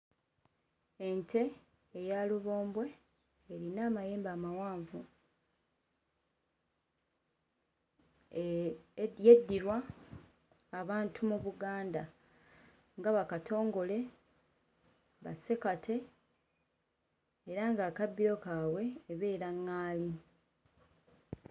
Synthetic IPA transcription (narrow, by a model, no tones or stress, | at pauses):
e̞ntʰe̞ː | jaluβo̞ːmbwe̞ː | ɾinaːmaje̞ːmbaːmawaːɱvu | jedːiɾwa | βaːntʰumuβuɡaːnda | ŋɡaβakatʰo̞ːŋɡo̞le̞ | βa̰se̞katʰe̞ | ɾaŋɡaːkabːiɾo̞kaːwe̞ːβe̞ːɾaŋːaːli